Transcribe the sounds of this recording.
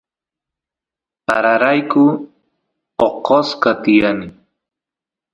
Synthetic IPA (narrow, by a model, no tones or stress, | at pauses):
a̰ɾaɾajkʊ | oqoskat̪ɪjanɪ